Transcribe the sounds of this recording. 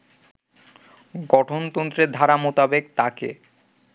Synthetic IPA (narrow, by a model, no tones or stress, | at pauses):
ɡɔʈʰont̪ɔnt̪ɾed̪ʱaɾamot̪abekt̪akḛ